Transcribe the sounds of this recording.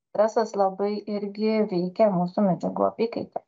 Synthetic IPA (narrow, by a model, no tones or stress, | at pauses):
ɾʲɛsɐslˠɐbɐɪɪɾʲɡʲɪʋʲɛɪkʲɛmuːsumʲɛd͡ʒʲɛɡṵɔ̰pʲikɐt̪ʲ